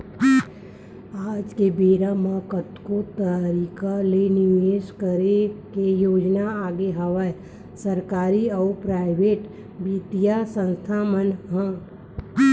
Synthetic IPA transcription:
aːd͡ʒkebeːɾamãkət̪kot̪əɾikalenɪʋeːʃkəɾekejoːd͡ʒnaaːɡeɦəʋə | səɾkaːɾiɔːɾpɾaːɪbeːʈ | bit̪ijasə̃nst̪ʰaːmənɦã

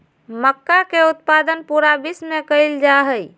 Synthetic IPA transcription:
məkːakeut̪̚pad̪ənpuɾabismekəɪld͡ʒaɦəj

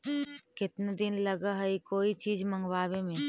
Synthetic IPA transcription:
kɪt̪ned̪ɪnləɡaɦəikoːit͡ʃiːd͡ʒmə̃ŋɡwaːwemẽ

